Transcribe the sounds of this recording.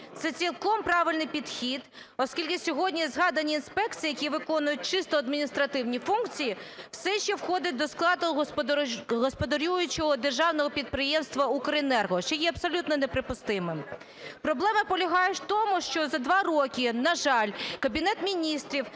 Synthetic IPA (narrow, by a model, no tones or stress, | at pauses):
t̪sɛt͡sʲilˠkɔmpɾɑʋɪlʲnɪjpʲid̪xʲid̪ | ɔskʲilʲkɪsʲɔɦɔdʲnʲizɦɑd̪ɐnʲiːnspɛkt͡sʲijɐkʲiʋɪkɔnʊjʊt̚ʲt͡ʃɪst̪ɔɐd̪̚mʲinʲist̪ɾɐt̪ɪwnʲifunkt͡sʲijiwsɛʃt͡ʃɛwxɔd̪ʲɪt̚ʲd̪ɔsklˠɑd̪ʊ | ɦɔspɔd̪ɐɾʲujʊt͡ʃɔɦɔd̪erʒɑwnɔɦɔpʲid̪̚pɾɪjɛmst̪ʋɐukɾɪnɛrɦɔʃt͡ʃɛjɛɐbsɔlʲut̪nɔnepɾɪpʊst̪ɪmɪm | pɾɔblˠɛmɐpɔlʲɐɦɑjʊt̪ɔmʊʃt͡ʃɔzɐd̪ʋɑrɔkʲɪnɐʒɑlʲkɐbʲinɛt̪mʲinʲist̪ɾʲiw